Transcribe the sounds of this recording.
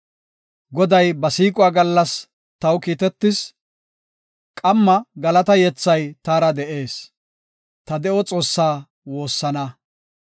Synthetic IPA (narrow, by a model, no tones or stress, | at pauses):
ɡɔd̪ɐjbɐsiːkʼʊaːɡɐlːɐs | t̪ɐwkiːt̪ɛt̪ːɪs | kʼɐmːɐɡɐlɐt̪ɐjɛt͡sːɐjt̪aːɾɐd̪ɛʔe̞ːs | t̪ɐd̪ɛʔɔt͡sʼo̞ːsːaː | wo̞ːsːɐnɐ